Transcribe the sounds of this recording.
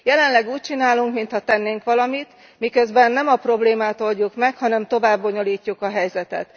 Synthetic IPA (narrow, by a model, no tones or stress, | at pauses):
jɛlɛnlɛɡuːc̚t͡ʃinaːluŋkmint̪hɒt̪ɛnːeːŋkʋɒlɒmit̪ | mikø̞zbɛnːɛmɒpro̞bleːmaːt̪o̞lɟukmɛkhɒnɛmt̪o̞vaːbːo̞ɲo̞liːcːukɒɦɛjzɛt̪ɛ̰t̪